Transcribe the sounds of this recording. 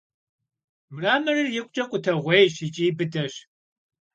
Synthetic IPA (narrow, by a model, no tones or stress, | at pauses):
mɨraːmɨrɨrjɪkʷʼt͡ʃʼɐkʷʼʊtʰɐʁʷejɕit͡ʃʼiːbɨdɐɕ